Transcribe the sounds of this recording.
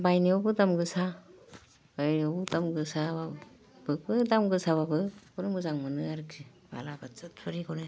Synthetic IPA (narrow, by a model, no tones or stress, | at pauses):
bajniɔbɯdamɡɯsa | bajniɔbudamɡɯsaba | b̥ɯk̚bɯdamɡɯsaβabɯbɔnɯmɯzaŋmɯnɯaɾkʰi | ba̰labat͡sɯtpʰɯɾiɡɔne